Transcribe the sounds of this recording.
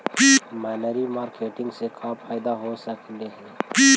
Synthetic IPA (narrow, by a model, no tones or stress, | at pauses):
pimaːnəɾimaːɾkʰeːʈɪ̃ŋɡsekʰaːpʰajd̪aɦosəkleɦɛ̃pi